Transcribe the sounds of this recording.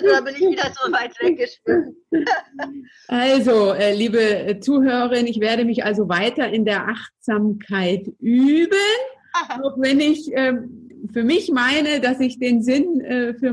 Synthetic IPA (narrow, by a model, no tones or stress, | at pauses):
azdabɪnɪçviːdɐzonaɪəɡəʃpyːɐ | ʔalzoʔɛːliːbət͡suːhøːʁəʁɐɪnɪçv̥eːɐɾəmɪçʔalzovaɪtɐɪndeːɐʔaχtz̥aːmkʰaɪtʔyːbən | aʊxv̥ɛnɪçʔɛːfyːɐmɪçmaɪnədasɪçd̥eːnzɪnɛːfyːɐ